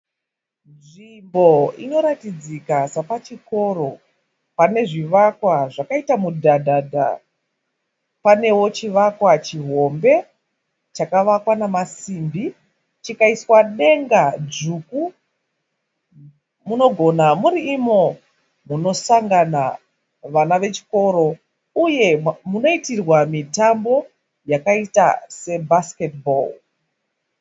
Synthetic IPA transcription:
nʐimbo̞ino̞ɾatid͡zikasapat͡ʃiko̞ɾo̞ | pane̞ʐiʋakwaʐakaitamudʱadʱadʱa̰ | pane̞wo̞t͡ʃiʋakwat͡ʃiɦo̞mbe̞ | t͡ʃakaʋakwanamasimbi | t͡ʃikaiswaɗe̞ŋɡad͡zuku | muno̞ɡʱo̞namuɾiːmo̞ | muno̞saŋɡana | ʋanaʋe̞t͡ʃi̥ko̞ɾo̞ | uje̞muno̞itirwamitambo̞ | jakaita̰se̞basketbo̰l

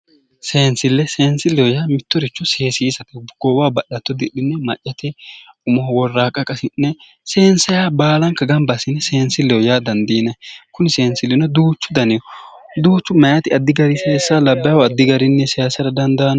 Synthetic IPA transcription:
se̞ːnsɪlːɛse̞ːnsɪlːɛjɔjaːmɪt̪ːɔɾɪt͡ʃːɔse̞ːsɪːsɐt̪ɛɡ̥ɔwaːbɐɗɐt̪ːɔd̪ɪɗɪnːɛmɐt͡ʃʼːɐt̪ɛ | ʊmɔhɔwɔrːaːkʼɐkʼɐsɪnːɛ | se̞ːnsɐjaːbaːlɐŋkɐɡɐmbɐsɪnːɛse̞ːnsɪlːɛjɔjaːd̪ɐnd̪iːnɐkʊnɪse̞ːnsɪlːɪnɔd̪uːt͡ʃːʊd̪ɐnɪjɔ | d̪uːt͡ʃːʊmɐjɐt̪ɪɐd̪ːɪɡɐɾɪseːsːalɐbːɐjwɔɐd̪ːɪɡɐɾɪnːɛsɛjasɐɾɐd̪ɐnd̪ɐn

